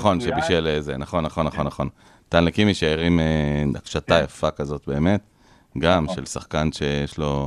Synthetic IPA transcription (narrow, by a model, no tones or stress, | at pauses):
χo̞nʃebiʃelezenaχo̞nːaχo̞nːaχo̞nːaχo̞n | t̪anlekimiʃaeʁimeakʃatajafakazo̞t̚be̞ːme̞t̪ | ɡamʃelsaχkanʃe̞jeʃlo̞